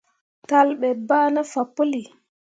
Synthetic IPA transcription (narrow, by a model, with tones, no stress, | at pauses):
talɓɛbaː˦na˦fapːo˦li˨